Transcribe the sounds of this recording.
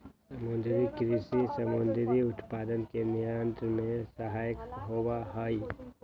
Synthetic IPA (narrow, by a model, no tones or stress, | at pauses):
səmʊnd̪ɾikɾisisəmʊnd̪ɾiʊt̪paːd̪ənkenijaənt̪ɾəmẽsəɦaːjəkɦowaɦəi